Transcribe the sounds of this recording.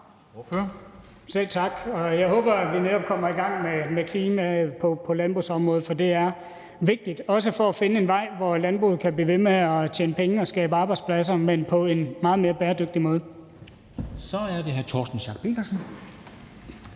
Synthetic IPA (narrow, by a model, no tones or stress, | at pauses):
sel̰t͡sʰɑ̈ɡ̥ɒ̽jɑ̈ɪɦɔːb̥ɐæ̥ʋineɾɒ̽b̥̚kʰɒ̽m̰ɐiɡ̥ɑ̈ŋ̰memekʰliːmæpʰɒ̽pʰɒ̽lænb̥ʁṵːsɒ̽mʁɔ̽ːð̩ˠfɒ̽d̥e̝æɐ | ʋe̝ɡ̥̚d̥id̥ɒ̽s̬əfɒ̽æfe̝nəe̝nʋɑ̈ɪ̰ʋɒlænb̥ʁṵːð̞̩ˠkʰæb̥lḭːʋe̝meɒ̽t͡ɕʰḛːnəpʰeŋəɒ̽sɡ̥ɛ̰ːb̥əɑ̈ːb̥ɑɪd̥spʰlæs̬ɐmenpʰɒ̽e̝nmɑ̈ːðˠme̝ːɐb̥ɛːɐd̥øɡ̥̚d̥imɔ̽ːð̞ˠ | sɒ̽æɐde̝ɦæɐt͡sʰɒ̰ːsd̥n̩ɕɑ̈ːɡ̥̚pʰe̝̰ːɡ̥ɐsn̩